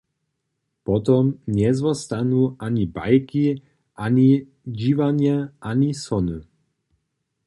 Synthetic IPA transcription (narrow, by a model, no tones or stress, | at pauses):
pɔt̪ɔmɲɛzʋɔst̪anuʔaɲiba̰jki | ʔaɲi | d͡ʑiʋaɲɛʔaɲisɔnu